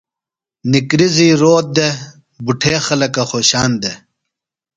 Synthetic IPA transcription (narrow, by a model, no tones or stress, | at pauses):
nikɾiziɾoːt̪̚d̪e | buʈʰeːxɐlɐkɐxoːɕaːnd̪e